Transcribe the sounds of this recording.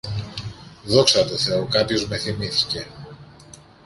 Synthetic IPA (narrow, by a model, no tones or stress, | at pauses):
ðo̞ksɐt̪o̞θe̞o̞kɐpço̞zme̞θimiθi̥ce̞